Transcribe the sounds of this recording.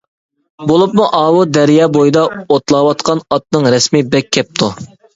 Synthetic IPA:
bolˠupmuʔɑːwud̪ɛɾjɑːbojd̪ɑot̪lˠɑwɑt̪qʰɑnɑt̪̚nɨŋɾɛsmibɛkʲʰːɛp̚t̪ʰu

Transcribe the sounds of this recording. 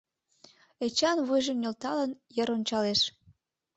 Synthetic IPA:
et͡ɕɑnβujʒə̆mnʲolt̪ɑlənjəɾonʲt͡ɕɑleʃ

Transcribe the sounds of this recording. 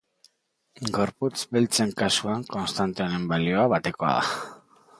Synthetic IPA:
ɡo̞ɾput͡sbilt͡se̞ŋkasuaŋko̞nst̪ant̪eonembalio̞aβat̪e̞ko̞a̰ða̰

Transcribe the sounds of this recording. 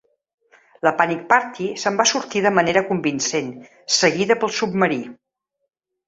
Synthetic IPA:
ləpanik̚paɾt̪isəmbasuɾt̪iðəməneɾəkumbinsen | səɣiðəpəlˠsub̚məɾi

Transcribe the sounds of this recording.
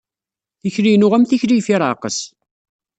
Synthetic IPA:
θiçɾinʊʁæmθiçɾijfiɾˤʕaqəs

